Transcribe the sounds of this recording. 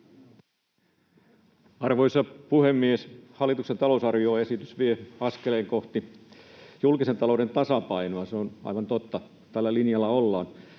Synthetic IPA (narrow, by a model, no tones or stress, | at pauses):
ɑrʋoisɑpuhemːieshɑlːˑit̪uksent̪ɑlousɑrʋioːesit̪ysʋieɑskeleːŋkoht̪i | julkisent̪ɑloudent̪ɑsɑpɑinoɑseonɑ̰iʋɑnt̪ot̪ːɑ | t̪ælːælinjɑlːɑolːɑːn